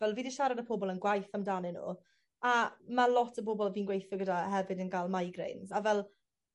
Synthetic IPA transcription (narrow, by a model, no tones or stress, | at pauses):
vɛlˠviːdiʃaɾadəpʰɔbɔlˠənɡwajθamdanɪnṵː | amalˠɔtʰəpobɔlˠviːnɡwejθɔɡədahɛvɨdənɡalˠmajɡrḛjnzavɛlˠ